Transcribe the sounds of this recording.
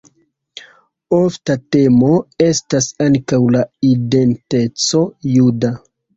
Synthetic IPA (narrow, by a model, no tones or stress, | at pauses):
o̞ftate̞mo̞e̞stasaŋkawlaide̞nte̞t͡so̞juda